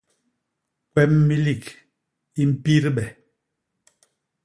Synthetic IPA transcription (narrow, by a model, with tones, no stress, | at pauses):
kwɛ˦mːi˦li˨k | i˦m̩˦pi˦ɾɓɛ˨